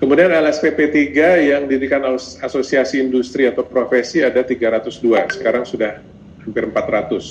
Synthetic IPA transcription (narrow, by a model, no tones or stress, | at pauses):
kəmudianɛlɛspepet̪iɡajaŋdidikanaasosiasiːndust̪ɾiat̪awpɾofesiadat̪iɡaɾat̪ʊsduasə̥kaɾaŋsudah | hampɪɾəmpat̪rat̪ʊs